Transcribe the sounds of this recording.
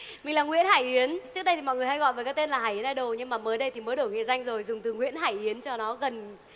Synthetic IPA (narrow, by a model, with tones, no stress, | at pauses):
mï˨˩ŋlaː˨˩ŋwḭ˧˥ənhaː˧˩jʔi˨˦ənt͡ɕɨ˦˥ək̚ɗə˧jt̪i˨mɔ̰˧˨jŋɨ˨˩əjha˧jɣɔ̰˧˨jvəː˨˩kaː˨˦jt̪e˧nlaː˨˩ɦaː˧˩ʔi˨˦nʔaː˧˩ɗə˨˧˩wɲɨ˧ŋmaː˨˩məː˨˦jɗə˧jt̪ʰi˨˩məː˨˦jɗo˧˩ŋḭ˧˨za˧jŋ̟zo˨˩jzʊ˨˩ŋ͡mt̪ɨ˨˩ŋwḭ˧˥ənɦaː˧˩jʔi˨˦ənt͡ɕɔ˧nɔ˨˦ɣə˨˩n